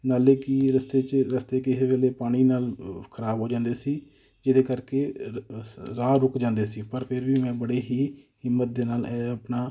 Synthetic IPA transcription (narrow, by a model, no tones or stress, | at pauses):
naːleːkɪɾəst̪eːt͡ʃɾəst̪eːkɪɪɦʋeːleːpaːɽ̃iːnaːlkʰəɾaːbɦoːd͡ʒãːnd̪eːsiː | d͡ʒɪd̪eːkəɾkeː | ɾaːɾʊkd͡ʒãːnd̪eːsiːpəɾpʰɪɾʋiːmɛ̃ːbəɽeːɦiːɦɪmːət̪̚d̪eːnaːlːəpnaː